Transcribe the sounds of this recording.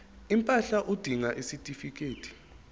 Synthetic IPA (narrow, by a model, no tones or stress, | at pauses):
impʼaɬaʔud̥ʱiŋaʔisitʼifik̬ʼeːtʰi̥